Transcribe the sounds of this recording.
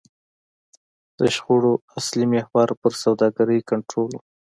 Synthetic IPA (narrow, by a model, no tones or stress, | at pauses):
d̪̥əʃχoɽoaslimehwɑɾpəɾsawd̪ɑɡaɾəjkaɳʈɾolu